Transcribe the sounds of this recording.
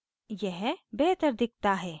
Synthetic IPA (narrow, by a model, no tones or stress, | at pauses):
jɛɦbeɦt̪əɾd̪ɪk̚t̪aɦɛː